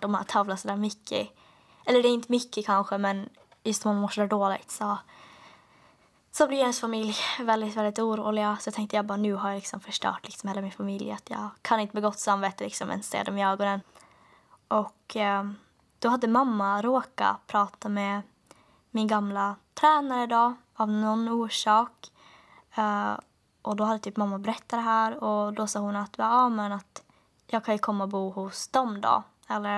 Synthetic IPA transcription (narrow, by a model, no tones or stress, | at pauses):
d̪ɔmat̪ʰɑːvlasɔd̪æːɾmʏkːə̰ | ʔɛlːəɖɛɪnt̪əmʏkːəkʰanɧəmɛn | jɵst̪ɔmamːmoːʂɔd̪æːɖoːlɪ̰ɡt̪sɔ | sɔbliːhɛnsfamɪljvɛld̪ɪt̪vɛld̪ɪt̪uːɾṵːlɪɡasɔjɑt̪ʰɛŋk̚t̪əjɑːbɑːɾnʉ̟ːɦajalɪksɔmfœʂʈœ̰ːʈlɪksɔmheːlamɪnfamɪljat̪jɑ̰ːkʰanɪnt̪əmɛɡɔt̪ːsamveːt̪əlɪksɔ̰mʔɛ̰nsḛːd̪ɔmɪøːɡɔnən | ʔɔk | d̪̥ɔhad̪ːəmamːaɾoːka̰pʰɾɑːt̪amɛ | mɪnɡamlat̪ʰɾæːnaɾəd̪ɔ | avnɔnːuːʂɑːk | ʔɔd̪ɔad̪ːət̪ʰyːpmamːabɛɾɛt̪ʰːad̪ɛɦæːɾɔd̪ɔsɑːhʊnat̪vaɑmɛnat̪ | jɑːɡ̚kʰanjɵkʰɔmːaɔbuːhʊsd̪ɔmd̪ɔ̰ | ɛlːəɾ